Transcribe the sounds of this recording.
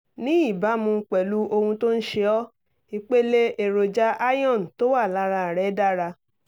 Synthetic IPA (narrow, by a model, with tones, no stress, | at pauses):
nĩ˦i˦˨ba˨˦mũ˧˦k͡pɛ˨lu˨˦ʔo˧hũ˧to˦n̩˦ʃe˧ɔ˦ | i˧k͡pe˦le˦ʔe˨ɾo˨d͡ʒa˦ʔa˦jɔ̃˦˨n̩˨to˦wa˦˨la˦ɾa˧˨ɾɛ˨˦da˦ɾa˧